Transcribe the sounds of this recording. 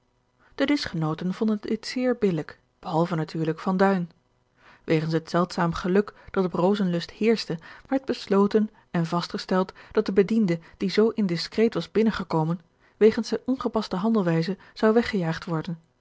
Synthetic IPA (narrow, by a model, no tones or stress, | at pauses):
d̥ədɪsχənowtənvɔndəndɪtsɪːɹbɪlək | b̥əɦɑlˠvənatʰyːɹləkfɑndœɥn | ʋʔejχənsɦətsɛlˠtsaːmχəlɵkd̥ɑtəprowzənlɵsthɪːɹstəʋɛɹd̚bəslowtən | ɛnvɑstχəstɛlˠtd̥ɑt̚dəbədindəd̥izowʔɪndɪskrejtʋɑzbɪnəχəkowmən | ʋejχənsɛʔɔnχəpɑstəɦɑndəlˠʋɛjzə | z̥ɑwʋɛχəjaːχtʋɔɹdən